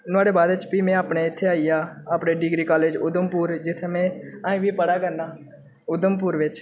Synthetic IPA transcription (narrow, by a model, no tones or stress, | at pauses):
nʊaːɽeːbaːd̪ɪt͡ʃpiːmẽːaːpɳeːɪt̪ʰːeːaːijaːaːpɽeːɖɪɡɾiːkaːleːd͡ʒʊd̪əmpuːɾd͡ʒɪt̪ʰːeːmẽaːĩːʋiːpəɽaːkəɾnaː | ʊd̪əmpʊːɾʋɪt͡ʃ